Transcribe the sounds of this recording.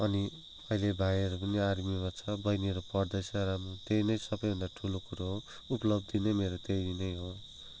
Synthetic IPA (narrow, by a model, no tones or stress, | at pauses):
ʌni | ʌilebʱajeɾukʌniaɾmimat͡sʰʌbʌjneɾopʌrd̪ʌjsʌɾamut̪eɾinʌjsʌbʌjbʱʌnd̪aʈʰulokuɾoɦo | uplʌb̚d̪inʌjmeɾot̪ejɾinʌjɦo